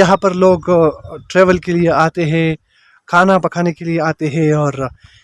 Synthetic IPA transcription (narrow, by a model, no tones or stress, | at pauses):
jɐɦãpɐɾloːɡʈɾeːʋəlkelieaːt̪eɦɛ̃ | kʰaːnapɐkʰaːnekelieaːt̪eɦɛ̃ɔːɾ